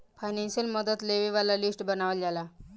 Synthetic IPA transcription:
fajnenɕəlməd̪ət̪leʋiʋalalisʈbənaʋəld͡ʑala

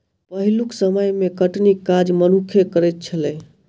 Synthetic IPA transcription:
pəɦiluksəməjmekəʈnikːad͡ʒmənukʰekəɾɛt̪̚t͡ʃʰəlɛ

